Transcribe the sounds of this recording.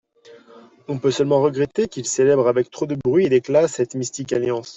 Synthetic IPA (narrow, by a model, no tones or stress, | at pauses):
ɔ̃pøsœlmɑ̃ʁəɡʁet̪ekʲilselɛbʁavɛk̚t̪χod̪əbʁɥied̪eklasɛt̪mist̪ikaljɑ̃s